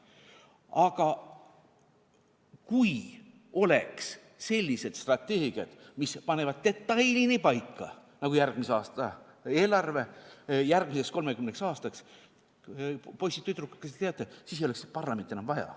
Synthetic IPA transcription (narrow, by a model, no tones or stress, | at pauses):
ɑɡ̥ɑ | kuj | o̞leks | se̞lʲːise̞d̪̥st̪rɑt̪ʲːeːɡ̥iɑd̪̥mispɑne̞vɑd̪̚t̪e̞t̪ːɑjlʲinipɑjkːˑɑ̰nɑɡujærɡ̥miseɑːst̪ɑe̞ːlɑrve̞jærɡ̥mise̞ksko̞lme̞kymneksɑːst̪ɑks | po̞jsʲit̪ːyt̪ɾukːɑ̥kːet̪eeɑt̪ːˑesis̬ejolekspɑrlɑment̪ːenɑmvɑjɑ̰